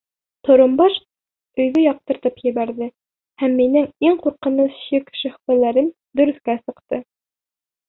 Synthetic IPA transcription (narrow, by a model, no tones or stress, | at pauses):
t̪ŏɾɤ̆mbɑʃ | ɵ̆jðɘjɑq̚t̪ɤ̆ɾt̪ɤpjɘ̆βæɾðɘ | hæmːinɘŋiŋquɾqɤ̆nɤsɕikʃɘ̆χfælæɾɘm | d̪ɵ̆ɾɵ̆θkæsɤ̆qt̪ɤ